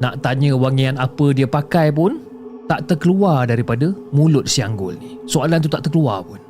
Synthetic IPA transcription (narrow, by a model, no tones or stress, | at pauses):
nã̰ʔt̪aɲə̃waŋianapədiəpakajp̬ʊn | t̪aʔt̪ərkəluardaɾipadəmũlʊt̪̚siaŋɡʊ̰lnisoalant̪ut̪aʔt̪ərkəluarpʊn